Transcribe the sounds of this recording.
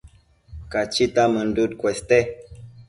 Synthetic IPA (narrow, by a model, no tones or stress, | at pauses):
kat͡ʃitamən̩dut̚kwɛstɛ